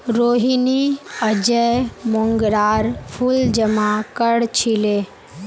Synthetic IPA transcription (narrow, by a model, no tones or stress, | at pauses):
ɾoːɦiniəd͡ʒəjmoŋɡɾaːɾpʰuld͡ʒəmakəɽt͡ʃʰile